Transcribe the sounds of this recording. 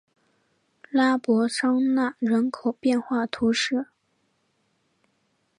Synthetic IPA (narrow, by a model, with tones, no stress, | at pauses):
la˥pwɔ˧˥ʂɑ˥ŋna˥˩ɻə˧˥nkʰo˨˩ʊpjɛ˥˧nxwa˥˩t̪ʰu˧˥ʂɻ̩˥˩